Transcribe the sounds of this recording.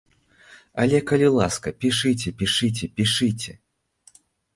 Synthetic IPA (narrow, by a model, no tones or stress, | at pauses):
ɐ̰lʲɛkɐlʲilˠaskɐpʲiʂɨt͡sʲɛpʲiʂɨt͡sʲɛpʲiʂɨt͡sʲɛ